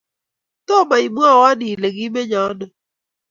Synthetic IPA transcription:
tɔ˦˨ma˨i˨m˦a˦˨wa˦ni˨le˨ɡi˦me˦ɲa˨˦nɔ˨

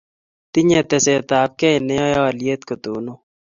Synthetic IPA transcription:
t̪i˦ɲɛ˨t̪ɛ˨se˨t̪aː˨p̚kɛ˦jnɛ˦ɔ˦jɔ˦lje˦t̪̚kot̪oː˨no

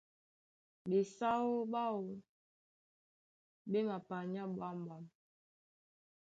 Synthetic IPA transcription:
be˨sa˦wo˦ba˦wo˨ | be˦ma˨pa˨ɲa˦ɓwa˦m˨ba˨˦˨m

